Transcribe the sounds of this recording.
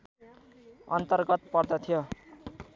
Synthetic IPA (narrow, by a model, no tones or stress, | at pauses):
ʌnt̪ʌrɡʌt̪̚pʌrd̪ʌt̪ʰijo